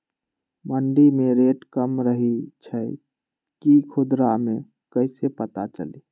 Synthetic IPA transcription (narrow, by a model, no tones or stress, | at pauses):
məɳɖimeɾeʈkəmɾəɦit͡ʃʰəj | kikʰud̪ɾame | kəɪsepət̪at͡ʃə̰lḭ